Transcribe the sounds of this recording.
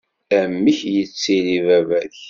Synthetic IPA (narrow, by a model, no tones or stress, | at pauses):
æmːiçjət͡sːilivævæç